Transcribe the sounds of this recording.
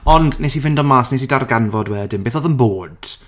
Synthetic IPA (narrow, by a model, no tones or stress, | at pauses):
ɔndnesivɪndɔmaːsnes̬idarɡanvɔdwɛlˠdɪmbeːθɔðənboːd̥